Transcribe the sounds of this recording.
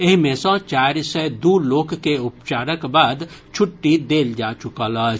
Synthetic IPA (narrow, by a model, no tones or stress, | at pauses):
ɪɦmẽsɔ̃t͡ʃaːɾsəd̪uloːkːeʊpt͡ʃaːɾəkbaːd̪t͡ʃʰʊʈːid̪eːld͡ʒaːt͡ʃʊkələ